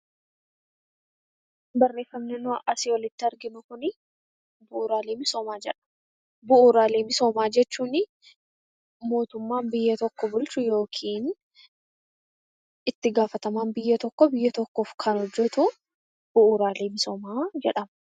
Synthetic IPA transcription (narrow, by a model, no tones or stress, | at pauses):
bɐrːe̞ːfːɐmnɛnʊʔɐsɪwɔlɪt̪ːɪɐɾɡɪnʊkʊnɪ | bʊʔːɾaːleːmɪso̞ːmaːd͡ʒɛᶑɐ̥ | bʊʔuːɾaːleːmɪso̞ːmaːd͡ʒɛt͡ʃːuːnɪ | mo̞ːt̪ʊmːaːnbɪjːɐt̪ɔkːɔbʊlt͡ʃʊjo̞ːkʰiːn | ɪt̪ːɪɡaːfɐt̪ɐmaːnbɪjːɐt̪ɔkːɔbɪjːɐt̪ɔkːoːfkʰɐnɔd͡ʒːɛt̪ʊ | b̥ʊʔuɾaːleːmɪso̞ːmaːd͡ʒɛᶑɐm